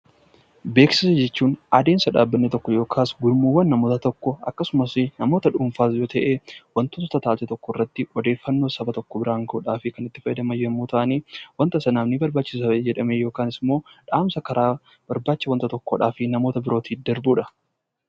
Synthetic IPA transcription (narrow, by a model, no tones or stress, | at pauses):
be̞ːksɪsɐd͡ʒɛt͡ʃːuːnʔɐd̪eːnsɐᶑaːbːɐnːɛt̪ɔkːɔjo̞ːkʰaːsɡʊlmuːwːɐnːɐmoːt̪ɐt̪ɔkːɔɐ̰kːɐsʊmɐsɪnɐmo̞ːt̪ɐᶑʊɱfaːsjoːt̪ɐʔewɐnt̪ʊt̪ːt̪ɐt̪aːsɛt̪ɔkːɔɪrːɐt̪ːɪɔd̪e̞ːfːɐnːoːsɐbɐt̪ɔkːɔbɪɾaːŋɡoːᶑaːfɪkɐnɪt̪ːɪ̥fɐjɐd̪ɐmɐjɛmːuːt̪ɐʔɐniːwɐnt̪ɐsɐnaːmnɪbɐɾbaːt͡ʃːɪ̥sɐd͡ʒɛᶑɐmejo̞ːkaːnɪsmo̞ːᶑaːmsɐkɐɾaː | b̥ɐɾbaːt͡ʃːɪsɐwɐnt̪ɐt̪ɔkːoᶑaːfɪnɐmo̞ːt̪ɐbɪɾo̞ːt̪ʰiːd̪ɐɾbuːᶑɐ